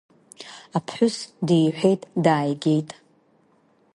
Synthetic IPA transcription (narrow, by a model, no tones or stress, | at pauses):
apʰħʷᶣʊsdijħʷᶣe̞jtʼdaːjɡʲe̞jtʼ